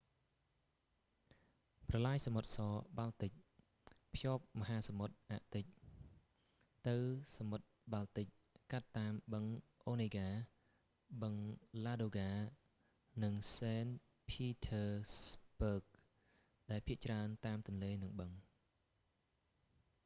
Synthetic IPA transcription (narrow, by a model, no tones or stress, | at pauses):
prɑlaːjsamot̪̚sɑːɓalt̪ɨc̚ | pʰjoːp̚mɔɦaːsamot̪̚ʔa̰ʔt̪ɨc̚ | t̪ɨwsamot̪̚ɓalt̪ɨc̚ | kat̪ːaːmɓəŋʔoːneːɡaː | ɓəŋlaːɗoːɡaː | nɨŋsɛːn | pʰiːt̪ʰəːspəːk̚ | ɗaɛlpʰiəʔt͡ɕraənt̪aːmt̪ʊ̆ənleːnɨŋɓəŋ